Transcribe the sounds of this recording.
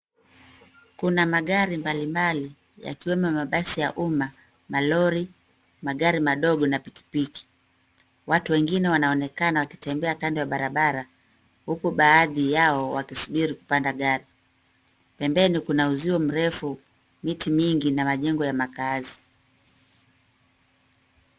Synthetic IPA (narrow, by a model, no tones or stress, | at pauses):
kunamaɠaɾimbalimbali | ja̰kiwɛmɔmaɓasijaʔuma | malɔɾi | maɠaɾimaɗɔɠɔnapiki̥piki̥ | watuwɛŋɡinɛwanaɔnɛkanawaki̥tɛmbɛakandiwaɓaɾaɓaɾa | hukuɓaːðijaɔwakisuɓiɾiku̥pandaɠaɾi | pɛmbɛnikunauziwɔm̩ɾɛfu | mitimiŋɡinamaʄɛŋɡɔjamakazi